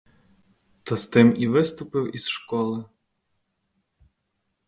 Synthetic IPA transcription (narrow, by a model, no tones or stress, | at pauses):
t̪ɔst̪ɪmiʋɪst̪ʊpɪwiz̥ʃkɔlˠɪ